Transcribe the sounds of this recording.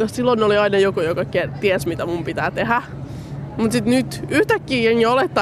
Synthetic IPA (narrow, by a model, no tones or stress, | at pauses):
ossilːonːeoliɑinɑjokujokɑket̪iɛsmit̪æmumpit̪æːt̪ehæ | mut̪sit̪nyt̪yht̪ækːiːenːiolet̪ːɑ